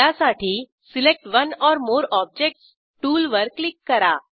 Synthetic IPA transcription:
asaʈʰiː | silek̚ʈʋənɔːɾmoːɾɔb̚d͡ʑek̚ʈs | ʈuːlʋəɾkːlikːəɾa̰

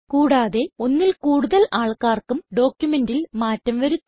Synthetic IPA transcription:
kuːɽaːðe̞o̞nːilkuːɽuðɐlaːɭkaːrkumɖo̞ːkjumendilmaːtːɐmʋɐɾu

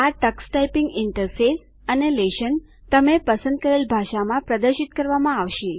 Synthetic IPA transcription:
aʈəksʈaipiŋɡɪɳʈəɾfes | əneleʃən | t̪əmepəsə̃nd̪̚kəɾelbʱaʃamãpɾəd̪əɾʃit̪kəɾʋamãaʋʃi

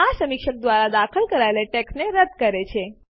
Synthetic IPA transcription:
asəmikʃək̚d̪ʋaɾad̪akʰəlkəɾaeleʈeksneɾəd̪kəɾet͡ʃʰe

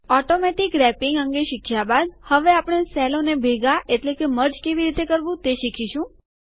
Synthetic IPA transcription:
ɔʈomɛʈikɾɛpiŋɡəŋɡeʃikʰjabad̪həʋeapəɽ̃esɛlonebʱeɡaʔeʈlekeməɾd͡ʒkeʋiɾit̪ekəɾʋũt̪eʃikʰiʃũ

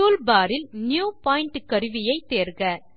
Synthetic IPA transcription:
uːlbaːɾɪlnjuːpaːɪɳʈkːɐɾɯʋɪjɐɪt̪ːeːɾɣɐ

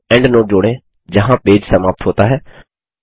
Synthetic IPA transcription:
ɛ̃ːɳɖnõːd͡ʒoːɽ̃ẽː | d͡ʒəɦãːpeːd͡ʒsəmaːp̚t̪ɦoːt̪aːɦɛː

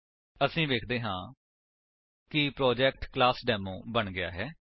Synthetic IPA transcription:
əsĩːʋeːkʰd̪eːɦãː | kɪpɾoːd͡ʒɛːk̚ʈklaːsɖɛːmõ̰ːbəɳɡɪa̰ːɦɛː

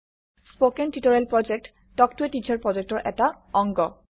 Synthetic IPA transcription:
spokentitɔɹelpɹɔd͡ʒek̚t | tɔk̚tuetid͡ʒʰɔɹpɹɔzek̚tɔɹʔɛ̰ta | ɔŋɡɔ

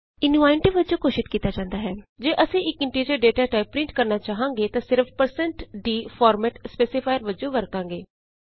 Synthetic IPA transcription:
ɪnuaːɪɳʈiːʋəd͡ʒõːkoːʃɪt̪kiːt̪aːd͡ʒãːnd̪aːɦɛːd͡ʒeːʔəsĩːɪkɪɳʈiːɾəɾɖeːʈaːʈaːɪp̚pːɾɪ̃ɳʈkəɾnaːt͡ʃaːɦãːŋɡeːt̪ãːsɪɾfpəɾsəɳʈd̪iːfʰɔːɾmɛːʈspeːsɪpʰaːjəɾʋəd͡ʒõːʋəɾkãːŋɡeː

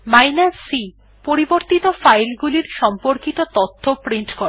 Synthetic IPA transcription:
majnasi | poɾiboɾt̪it̪ofajlɡuliɾʃɔmpoɾkit̪ot̪ot̪ʰːopɾiɳʈko

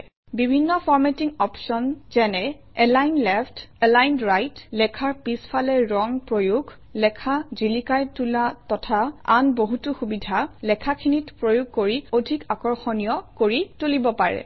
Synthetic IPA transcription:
bibʱinːɔfʰɔɹmɛtiŋɔpsɔnz̥ɛnɛ | ɛlajnlɛpʰtɛlajnɹajtlɛkʰaɹpispʰalɛɹɔŋpɹojuɡʱ | lɛkʰazilikajtulatɔtʰaa̰nboɦutʊxubidʱalɛkʰakʰinitpɹojuɡ̚ʱkoɹiodʱikakɔɹxɔnijɔkoɹitulibɔpaɹɛ̰

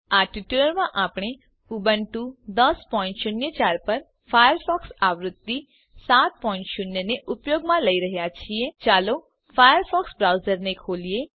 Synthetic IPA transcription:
aʈiʈjuləɾmãʔaːpɽ̃e | ubəɳʈud̪əspɔɪ̃nʈʃʊnjət͡ʃaːɾpəɾ | fʰajəɾpʰɔːksaʋɾʊd̪ːi | saːt̪̚pɔːɪ̃ɳʈʃʊnjəneʔʊpjoːɡmãləiɾəɦjat͡ʃʰiet͡ʃaːlo | fʰajəɾpʰɔksbɾawzəɾnekʰoːlije

